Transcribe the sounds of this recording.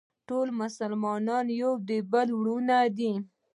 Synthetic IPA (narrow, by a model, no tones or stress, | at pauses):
ʈolmʊsalmɑnɑnjod̪ebəlwɽunad̪i